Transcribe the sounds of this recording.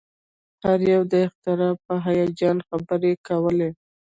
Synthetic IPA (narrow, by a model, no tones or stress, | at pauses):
haɾjawd̪əɪxt̪ɪɾɑpəɦajɑd͡ʒɑnxabəɾekawəle